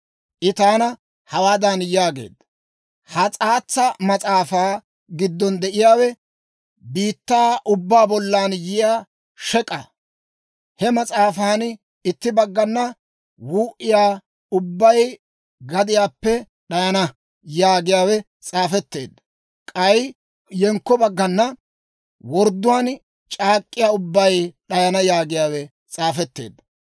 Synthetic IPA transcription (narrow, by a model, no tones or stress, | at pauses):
ʔɪt̪aːnɐ | hɐwaːd̪ɐnjaːɡe̞̰ːd̪ːɐ | hɐt͡sʼaːt͡sːɐmɐt͡sʼaːfaː | ɡɪd̪ːɔnd̪ɛʔɪjaːwɛ | biːt̪ːaːʔʊbːaːbɔlːaːnjɪjaː | ʃɛkʼɐ | hɛmɐt͡sʼaːfaːn | ɪt̪ːɪbɐɡːɐnːɐ | wuːʔɪjaː | ʊbːɐj | ɡɐd̪ɪjaːpːɛ | ɗɐjɐnɐ | jaːɡɪjaːwɛ | t͡sʼaːfɛt̪ːe̞̰ːd̪ːɐ | kʼɐj | jɛŋkːɔbɐɡːɐnːɐ | wɔɾd̪ːʊwaːn | t͡ʃʼaːkʼːɪjaːʊbːɐjɗɐjɐnɐjaːɡɪjaːwɛ | t͡sʼaːfɛt̪ːe̞̰ːd̪ːɐ̥